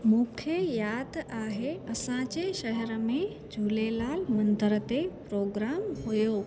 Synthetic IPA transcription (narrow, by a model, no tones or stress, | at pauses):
mũːkʰəjaːd̪aːɦeɐsãd͡ʑeʃɐɦɛɾə̆mẽ | d͡ʑʱuːlelaːlmɐ̃nd̪əɾət̪epɾoːɡɾaːmɦujoː